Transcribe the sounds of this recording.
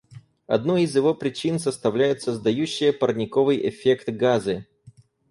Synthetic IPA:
ɐ̰d̪noɪzjɪvo̞pɾʲɪt͡ɕinsəst̪ɐvlʲæjʊt̪səzd̪ɐjʉɕːɪjəpərnʲɪkovɨjʔɪ̰fʲekt̪ɡazɨ

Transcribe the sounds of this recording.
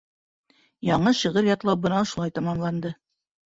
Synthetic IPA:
jɑɴɤʃɤ̆ʁɤɾjɑt̪lˠɑp̚bɤ̆nɑʃulˠɑjt̪ɑmɑmlˠɑnd̪ɤ

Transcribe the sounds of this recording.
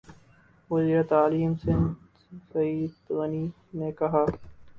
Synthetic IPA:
ʋɐziːɾɐt̪aːliːmsɪ̃nd̪ | sɐiːd̪ɣɐniː | nekɐɦaː

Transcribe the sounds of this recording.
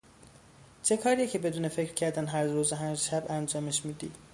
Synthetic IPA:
t͡ʃʰe̞kʰɒːɾijecʰe̞be̞d̪uːne̞fecɾ̥cʰæɾd̪ænɦæɾɾuːzeɦænʃæbænd͡ʒɒːmeʃmiːd̪ḭ̥ː

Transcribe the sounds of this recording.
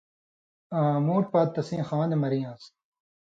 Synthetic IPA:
ãːmoːʈ̚paːt̪ːɐsĩːxãːd̪emɐɾĩːãːs

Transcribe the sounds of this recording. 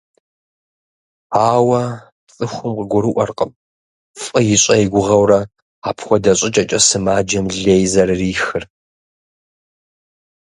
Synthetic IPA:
aːwɐ | pt͡sʼɨxʷʊmqəɡʷʊɾɨʔʷɔrqʼəm | fʼɐjɪɕʷʼɐjɡʷʊʁɐwrɐ | aːpʰxʷɔdɐɕʼɪt͡ʃʼɐt͡ʃʼɐsɨmaːd͡ʒɐmɮeːjzɐrɨriːxɨr

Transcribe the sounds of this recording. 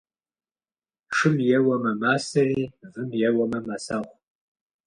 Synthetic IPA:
ʂɨmjɛwɐmɐmaːsɐriːvɨmjɛwɐmɐmasaːχʷ

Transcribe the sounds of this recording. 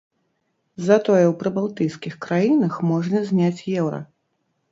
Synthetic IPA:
zat̪ɔjɛwpɾɨbalˠt̪ɨjskʲixkɾajinɐxmɔʐnɐzʲnʲat͡sʲjɛwɾɐ̰

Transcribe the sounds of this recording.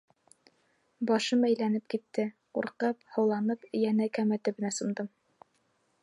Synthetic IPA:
bɑʃɤmæjlænɘp̚kit̪ːɘ | ṵɾqɑphɤ̆wlˠɑnɤpɘ̆jænɘkæmæt̪ɘ̆bɘ̆næsɤ̆md̪ɤm

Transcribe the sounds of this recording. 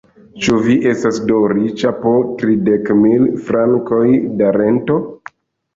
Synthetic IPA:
t͡ʃuviʔe̞stasdoɾit͡ʃapotɾidekmilfɾaŋko̞jdaɾe̞nto̞

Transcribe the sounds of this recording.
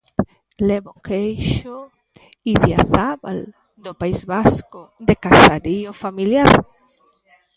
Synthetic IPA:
leβokejʃo | iðjaθaβa̰l | d̪opaizβaskod̪ekaθaɾiofamiljaɾ

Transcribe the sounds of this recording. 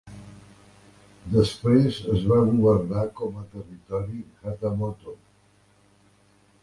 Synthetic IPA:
d̪əspɾezəzβaɣuβərnakɔmət̪ərit̪ɔɾixat̪əmɔt̪o

